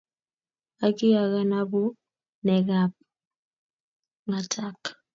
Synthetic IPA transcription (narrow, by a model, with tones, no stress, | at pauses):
a˦kɪ˦a˨ɣa˦na˦bu˦ | nɛ˨ɡa˨p̚ | ŋa˨tʰa˦k